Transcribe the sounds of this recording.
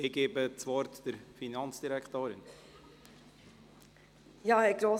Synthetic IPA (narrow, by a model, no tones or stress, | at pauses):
ɪɡ̥eːbət͡sʋɔɾt̪d̥əɾfinɑnt͡sd̥iɾɛkʰt̪oːɾɪn | jɑːɛɡɾoː